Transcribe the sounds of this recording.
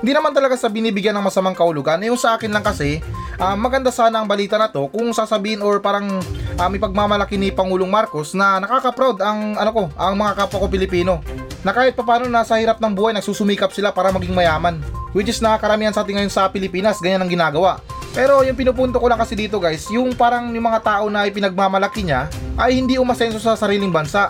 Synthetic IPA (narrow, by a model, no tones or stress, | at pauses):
hɪnd̪iːnɐmant̪ɐlɐɡasɐbɪniːbɪɡjanːɐŋmɐsɐmaŋkɐʔʊloɡanʔɐjʊŋsɐʔaːkɪnlɐŋkɐsɛʔamːɐɡɐnd̪asaːnɐʔːŋbɐliːt̪ɐnɐt̪o̞kʊŋsaːsɐbiːhɪnoɹpaːɾɐŋʔɐmɐjpɐɡ̚mamɐlɐkinɪpɐŋuːloŋmaɾko̞snɐnɐkaːkɐpɾawd̪ɐŋʔɐnoko̞ʔɐŋmɐŋakapɐkop̬ɪlɪpiːno̞nɐkaːhɪt̪̚pɐpaːno̞nasɐhiɾap̚nɐŋbuːhajnɐɡ̚suːsʊmiːkɐp̚sɪlapaːɾɐmɐɡiŋmɐjaːmɐnwɪt͡ʃɪsnɐakɐɾɐmiːhɐnsaaːt̪̬ɪŋɐjo̞nsɐpɪlɪpiːnɐsɡɐɲanɐŋɡɪnaːɡɐwaʔ | pɛːɾo̞jʊŋpɪnup̬unt̪okolaŋkɐsɪd̪iːt̪o̞ɡajsjʊŋpaːɾɐŋmɪmɐŋat̪aːʔo̞nɐʔɪp̬ɪnɐɡ̚mamɐlɐkɪɲaʔɐjhɪnd̪iʔʊmɐsɛnso̞sɐsɐɾiːlɪŋbɐnsaʔ